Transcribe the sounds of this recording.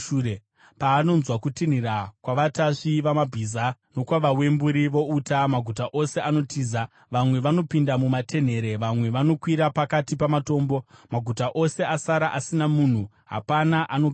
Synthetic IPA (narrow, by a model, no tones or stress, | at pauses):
uːre | paːno̞nzwakutin̤irakwaʋataʂiʋamabʱiːzano̞kwaʋawe̞mbuɾiʋo̞utamaɡʱutaʔo̞se̞ano̞tiːza | ʋamwe̞ʋano̞pindamumatʰe̞n̤e̞ɾe̞ʋamwe̞ʋano̞kwiɾapakatipamato̞ːmbo̞maɡʱutaʔo̞se̞asaɾaʔasinamuːn̤u | ɦa̰panaʔano